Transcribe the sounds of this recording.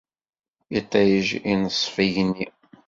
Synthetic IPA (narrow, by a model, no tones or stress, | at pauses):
it̪ˤːæjəʒinəsˤːfijni